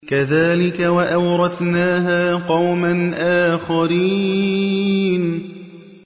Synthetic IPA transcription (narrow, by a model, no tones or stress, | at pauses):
kaðaːlɪkawaʔawɾˤɑθnaːɦaːqɑwmanʔaːxaɾiː | n